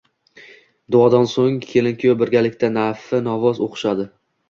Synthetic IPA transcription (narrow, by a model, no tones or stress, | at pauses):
d̪ʊɒd̪ansoŋkʲʰe̞lɪŋkʲjobɪɾɡʲalɪkʲt̪ʰanafɪnɒvɒzoqʰʃad̪ɪ